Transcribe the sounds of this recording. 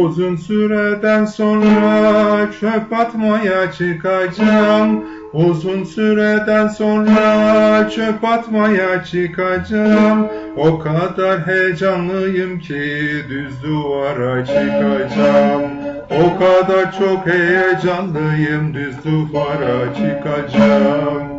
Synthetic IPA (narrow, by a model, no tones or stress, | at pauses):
uzunsyɾed̪ænso̞nɾat͡ʃʰøpat̪majat͡ʃʰɯkʰad͡ʒam | uzunsyɾed̪ænso̞nɾat͡ʃʰøpat̪majat͡ʃʰɯkʰad͡ʒamokʰad̪aɾɦejd͡ʒanlˠɯjɯmcʰid̪yzd̪uvaɾat͡ʃʰɯkʰad͡ʒam | o̞kʰad̪aɾt͡ʃʰo̞khejed͡ʒanlˠɯjɯmd̪yzluvaɾat͡ʃʰɯkʰad͡ʒam